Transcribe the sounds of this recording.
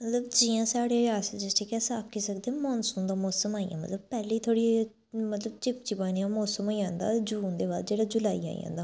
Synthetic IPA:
mət̪ləbd͡ʒɪːãːsaːɽeaːsd͡ʒɪsʈʰeːkɛːsaːpkiːsəkd̪eːmɔːnsuːnd̪aːmɔːsəmaːḭjã̰ːmə̰t̪ləb̚pɛːleiːt̪ʰoːɽi | mət̪ləbt͡ʃɪp̚t͡ʃiːbaːniːãːmɔːsəmaːiãːnd̪a̰ːd͡ʒuːnd̪eːbaːld͡ʒeːɽaːd͡ʒʊlaːḭa̰ːḭã̰ːnd̪aː

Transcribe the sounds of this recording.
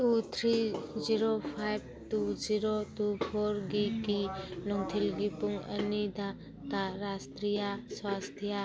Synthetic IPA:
tut̪ʰɾiziɾopʰajb̚ | tud͡ʒiɾotupʰoɾɡikilɔŋt̪ʰilɡipuŋɐ̰nid̪ʱa | kaɾast̪ɾijaswast̪ʰja

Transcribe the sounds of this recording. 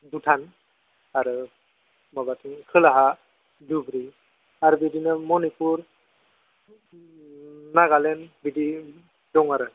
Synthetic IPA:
dutʰan | aɾɯ | mabatʰiŋkʰɯlaɦa | dubɾi | aɾbidinɯmɔnipuɾ | naɡalɛnbidi | dɔŋaɾɯ

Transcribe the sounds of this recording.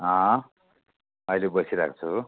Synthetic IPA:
ɦʌ̃ | ʌjlebʌsʰiɾakʰt͡sʰu

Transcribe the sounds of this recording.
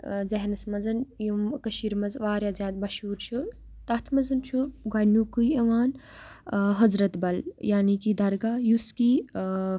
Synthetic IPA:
zɛɦnɐsmɐzɐnjumkəʃiɾmɐzʋaːɾjazʲjaːd̪̚bɐʃuːɾt͡ʃʰu | t̪ɐt̪ʰmɐzɐnt͡ʃʰuɡɐnuːkujɐʋaːn | ɦɐzɾɐt̪bɐljaːniːkid̪ɐɾɡaːjuskiː

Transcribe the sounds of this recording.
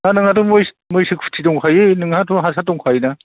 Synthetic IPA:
anɯŋatʰɔmoj | mojsɯk̚pʰu̥tʰitɔŋkʰajɯnɯŋhatʰɔɦasʰatɔŋkʰajna

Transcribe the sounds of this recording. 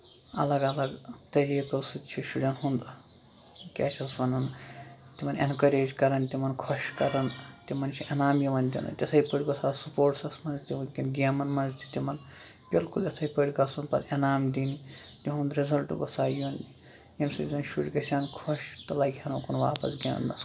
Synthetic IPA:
ɐ̰lɐɡɐlɐɡt̪ɐɾikɐsɨd̪t͡ʃʰiʃuɖɐnɦund̪ | kʲa̰ːt͡ʃʰʲɐsbɐnɐn | t̪imɐnḛnkɐɾeːd͡ʒkɐɾɐnt̪imɐnkʰoʃkɐɾɐnt̪imɐnt͡ʃʰiʔɐnaːmjiʋɐnd̪ʲḭnɐ̰t̪ʲɐsʰɐipəʈʲɡosʰaːsupoːɾʈsɐsmɐnzt̪iʋɐnkʲinɡʲaːmɐnmɐnzd̪it̪imɐn | pʲelkʰuljɐsʰɐjpəɽʲɡɐsunpɐd̪ɐnaːmd̪init̪iɦũnd̪ɾezɐlʈɡosaːjuʋɐnd̪i | jɐmsɨzɐnʃuɽʲɡɐsʲankʰoʃt̪ɐlaːɡʲjanokunʋa̰ːpɐ̰sɡʲḛmɐ̰nnɐ̰s

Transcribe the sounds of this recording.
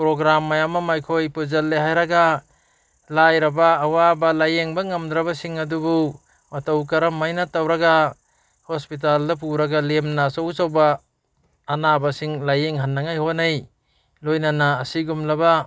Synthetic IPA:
pɾoɡɾamːajamamajkʰojpɯzɐlːeɦajɾaɡa | lajɾɐbaːwabalajeŋbaŋɐmd̪ɾabasiŋɐdubu | matawkaɾamːajnatawɾaɡa | hɔspit̬aldap̬uɾaɡalemnasawsawbaː | nabasiŋlajeŋɦanːaŋajhonaj | lojnanaːsiɡumlaba

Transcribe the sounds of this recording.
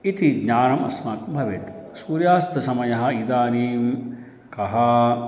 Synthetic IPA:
it̪iɡɲaːɾɐmɐ̰smaːkbʱɐʋit̪suːɾjaːst̪ɐsɐmɐjɐɦɐ̆id̪aːniːm | kɐɦɐ

